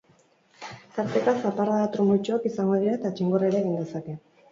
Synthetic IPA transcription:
t̪aɾt̪ekasapaɾðat̪ɾumult͡ʃoakisaŋɡo̞ðiɾaet̪at͡ʃiŋɡoraɾeːɣind̪e̞sake̞

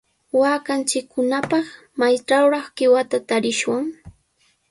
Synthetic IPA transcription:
waːkant͡ʃɪkːʊnapɑχ | majt͡ʃawɾɑχɢɪwat̪at̪aɾɪʃwaŋ

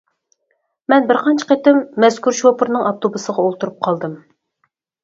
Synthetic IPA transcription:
mɛnbɪɾqɑnt͡ʃʰə̥qet̪ɪmːɛskʰʲuɾʃopʰɨɾnɨŋɑp̚t̪ʰobusəʁɑolˠt̪uɾup̚qʰɑlˠd̪ɨm

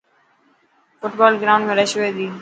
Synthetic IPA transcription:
fʊʈbaːlɡɾaʊɳɖmẽːɾeːʃʋeːd̪iː

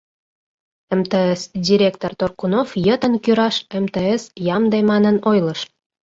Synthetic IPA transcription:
emt̪eesdʲiɾʲekt̪ort̪orkunofjət̪ənkyɾɑʃemt̪eesjɑmd̪emɑnənojləʃ

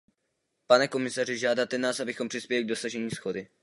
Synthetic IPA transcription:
panɛko̞mɪsarɪʒaːdat̪ɛnaːsʔabɪxompr̥ɪspjɛlɪɡ̚do̞saʒɛɲiːsxo̞dɪ

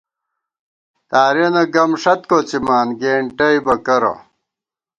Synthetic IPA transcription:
t̪aːɾenɐɡɐmʂɐt̪koːt͡simaːnɡeːɳʈɐibɐkɐɾɐ̰

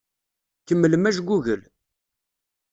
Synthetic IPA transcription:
kəmːəlmæʒɡʷːuʝəl

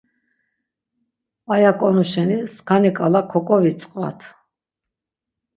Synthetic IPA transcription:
ajakʼɔnuʃɛniskʰanikʼalakʰːɔkʼɔvit͡sʼqʼva̰t̪ʰ

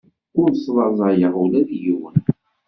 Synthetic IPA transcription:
ʊɾnsðˤɑzˤɑjəʁulæðjuwə̰n

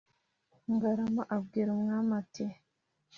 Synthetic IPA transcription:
ŋɡaɾamaʔabɡiːɾamŋamate

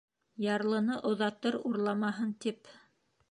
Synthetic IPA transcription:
jɑɾlˠɤ̆nɤʔŏðɑt̪ɤɾuɾlˠɑmɑɦɤnt̪ip

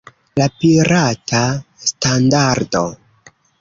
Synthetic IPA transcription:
lapiɾatastandaɾdo̰

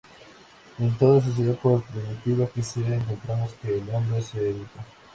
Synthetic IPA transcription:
ent̪oðos̬es̬eopoɾpɾimit̪iβakiseɾaeŋkont̪ɾamoskeːlombɾeeseeβit̪a

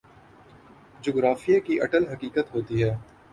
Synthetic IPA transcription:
d͡ʒoːɡɾaːfijakiʔɐʈəlɦɐkiːkət̪ɦoːt̪iɦɛː

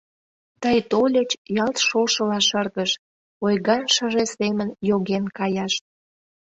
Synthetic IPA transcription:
t̪əjt̪olʲet͡ɕjɑlt̪ʃoʃəlɑʃərɣəʃ | ojɣɑnʃə̆ʒesemənjoɣenkɑjɑʃt̪

